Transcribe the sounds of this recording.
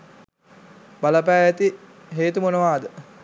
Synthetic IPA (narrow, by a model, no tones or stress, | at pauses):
balɐpæːæt̪i | ɦeːt̪umonəʋaːd̪ə